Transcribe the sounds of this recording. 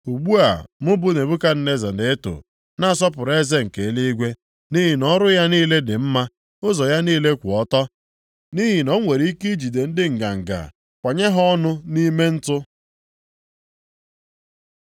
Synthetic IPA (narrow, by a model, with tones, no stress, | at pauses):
u˨ɡ͡bu˦a̰˨mʊ˦bʊ˦ne˨bu˦ka˦n̩˦ne˦za˨de˨e˦tʊ̰˨ | na˦˨s̬ɔ˦p̬ʊ˨ɾe˦ze˦ŋ̩˨ke˨˦li˦i˦ɡʷe˦ | ni˦ɦi˨nɔ˦ɾʊ˦ja˦niː˦le˦dɪ˨m̩˦ma˦ | ʊ˦zɔ˨ja˦niː˦le˦kʷʊ˨ɔ˦tɔ˦ | ni˦ɦi˨nɔ˦ŋʷe˨ɾi˦i˦ki˦d͡ʒi˨de˨n̩˦dɪ˦ŋ̩˨ɡa̰˨ŋ̩˨ɡa̰˨ | kʷa˨ɲe˦ɦɔ˦nʊ˦ni˦me˦n̩˦tʊ˦